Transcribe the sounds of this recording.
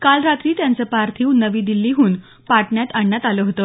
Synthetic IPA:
kalɾat̪ɾiːt̪jant͡səpaɾt̪ʰiːwnəʋiːd̪ilːiːɦuːn | paʈɳjat̪aɳːjat̪aləɦot̪ə

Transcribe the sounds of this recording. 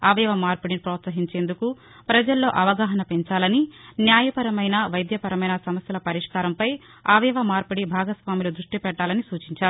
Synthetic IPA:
aːʋɛʋɐmaːɾpuɽinipɾɔːt̪sɐɦiɲt͡ʃe̞ːnd̪uku | pɾɐd͡ʒɐlːo̞ːʔɐʋɐɡaːɦɐnɐpe̞ɲt͡ʃaːlɐninjaːjɐpɐɾɐmɐjnɐʋɐjd̪jɐpɐɾɐmɐjnɐsɐmɐsjɐlɐpɐɾiʂkaːɾɐmpɐj | aːʋɛʋɐmaːɾpuɽibʱaːɡɐsʋaːmilud̪ɾuʂʈipɛʈːaːlɐnisuːt͡ʃiɲt͡ʃaːɾu

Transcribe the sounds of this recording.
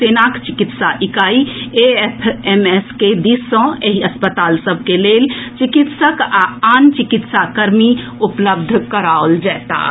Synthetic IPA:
senakt͡ʃikit̪saʔikaiepʰemesked̪isːə̃eɦiəspət̪aːlsəbʱkelelt͡ʃikit̪səkaant͡ʃikit̪sakəɾmi | upləb̚d̪ʱkəɾaold͡ʒɛːt̪a̰

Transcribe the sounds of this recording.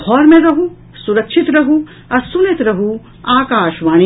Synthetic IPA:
ɡʰʱɔːɾmẽɾɐɦu | suɾɐkʃʰit̪ɾɐɦu | ɐɾsunet̪ɾɐɦu | aːkaːʃʋaːñi

